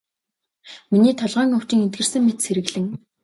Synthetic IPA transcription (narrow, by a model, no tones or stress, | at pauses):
miniːt̪ʰɔɮʁœːŋʊw̥t͡ɕiːŋent̪̚ɡɘ̆r̥sɘ̆ŋmet̪sʰeɾɘ̆ɣɮɘ̆ŋ